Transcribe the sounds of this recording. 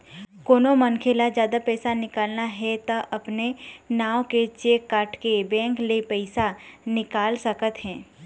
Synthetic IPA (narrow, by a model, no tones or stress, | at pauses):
koːnomɐnkʰelazjaːd̪apɛːsanɪkaːlnaɦɛt̪ɐʔɐpnenaːwket͡ʃeːkːaːʈkebɛ̃ːŋklepɛɪsanɪkaːlsɐkət̪ɦɛ̃ː